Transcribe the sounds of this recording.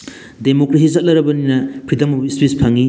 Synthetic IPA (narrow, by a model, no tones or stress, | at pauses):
demokɾes̬izɐt̚lɐɾɐbɐninɐpʰɾidɐmɐispispʰaŋi